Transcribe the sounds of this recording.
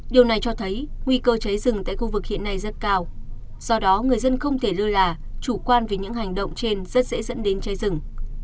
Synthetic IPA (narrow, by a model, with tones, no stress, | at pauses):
ɗi˨˩əwna˨˩jt͡ɕɔ˧t̪ʰə˨˦jŋwi˧kəː˧t͡ɕə˨˦jzɨ˨˩ŋt̪a̰ː˧˨jxu˧vɨ˨˩k̚hḭ˧˨ənːa˧jzə˦˥t̚kaː˧w | z̥ɔ˧ɗɔ˨˦ŋɨ˨˩əjzə˧nxə˧wŋ͡mt̪ʰe˧˩lɨ˧əlaː˨˩ | t͡ɕu˧˩kwaː˧nve˨˩ɲɨ̰˧˥ɦa˨˩jŋ̟ɗə̰˧˨wŋ͡mt͡ɕe˧nzə˦˥t̚sɛ̰˧˥zə̰˧˥nɗe˨˦nt͡ɕə˨˦jzɨ˨˩ŋ